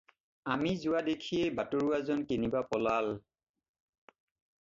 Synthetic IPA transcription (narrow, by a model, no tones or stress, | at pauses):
amizʊwadekʰijebatoɹuazɔnkenibapɔlal